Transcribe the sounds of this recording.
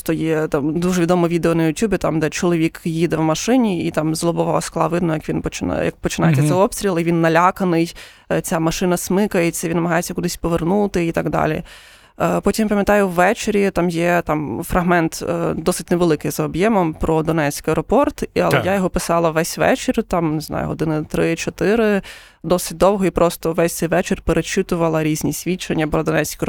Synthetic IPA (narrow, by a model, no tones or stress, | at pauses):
t̪ɔjɛt̪ɑmd̪uʐɛʋʲid̪ɔmɔʋʲid̪eɔnɐjʊtʲjubʲɪt̪ɑmd̪ɛt͡ʃɔlˠɔʋʲikjid̪ɛwmɐʃɪnʲiit̪ɑmzlˠɔbɔʋɑɐsklˠɑ̰ʋɪd̪nɔjɐkʋʲinpɔt͡ʃɪn̰jɐ̰k̚pɔt͡ʃɪnajet̪ʲːɐt̪ɛɔpst̪ʲɾʲilˠiʋʲinːɐlʲakɐnɪj | t͡sʲamɐʃɪnɐsmɪkɐjet͡sʲːɐjʲʋinːɐmɐɦɑjet͡sʲːɐkud̪ɪsʲpɔʋernut̪ɪit̪aɡd̪ɑ̰lʲḭ | pɔtʲimpɐmʲjɐt̪ɑjʊwːɛt͡ʃeɾʲit̪ɑmjɛt̪ɑmfɾɐɦmɛnt̪d̪ɔsɪtʲneʋelˠɪkɪjzɐɔbjɛmɔmpɾɔd̪ɔnɛt͡sʲkɪɛjɾɔpɔrt̪iɐ̰lˠɛjajɔɦɔpɪsɑlˠɐʋɛsʲʋɛ̰t͡ʃɪɾʲt̪ɑmneznɑ̰jʊ̰ɦɔ̰d̪ɪnɪt̪ɾɪt͡ʃɔt̪ɪɾɪ | d̪ɔsɪ̥t̚ʲd̪ɔwɦɔipɾɔst̪ɔʋɛsʲt̪sɛjʋɛt͡ʃɪrʲpeɾet͡ʃɪt̪ʊʋɐlˠɐɾʲizʲnʲisʲʋʲit͡ʃɐnʲːɐpɾɔd̪ɔnɛt͡sʲkɪ